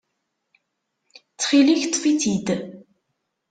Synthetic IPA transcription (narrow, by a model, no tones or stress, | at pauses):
t͡sːχiliçt̪ːˤfit͡sid̪